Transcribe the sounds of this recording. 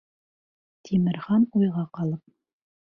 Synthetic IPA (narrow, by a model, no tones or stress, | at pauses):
t̪ʰimɘ̆ɾχɑnujʁɑqɑlˠɤp̚